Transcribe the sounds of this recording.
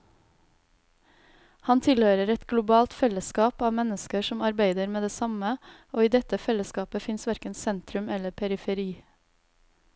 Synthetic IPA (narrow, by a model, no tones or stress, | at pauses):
hɑnt̪ʰɪlhøːɾəɾɛt̪ɡlʊbɑːlt̪fɛləskɑːpɑːʋmɛnəskəʃɔmɑɾbæɪd̪əɾmeːd̪eːsɑmə | oːiːd̪ɛt̪əfɛləskɑːpəfɪnsʋæɾkənsɛnt̪ɾʉmɛləpʰɛɾɪfəɾiː